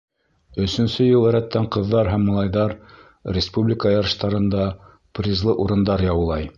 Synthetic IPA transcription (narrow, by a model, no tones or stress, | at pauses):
ɵ̆sɵ̆nsɵjɤlˠæ̆ɾæt̪ːæɴqɤ̆ðːɑɾɦæmːɑlˠɑjðɑɾ | rʲɪspublʲɪkəjɑɾɤ̆ʃt̪ɑɾɤ̆nd̪ɑ | prʲizlˠɤʔuɾɤ̆nd̪ɑɾjɑwɤ̆lˠɑj